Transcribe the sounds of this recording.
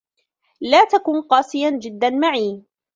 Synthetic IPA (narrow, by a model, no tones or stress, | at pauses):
laːt̪akʊnqɑːsɪjand͡ʒɪd̪ːanmaʕiː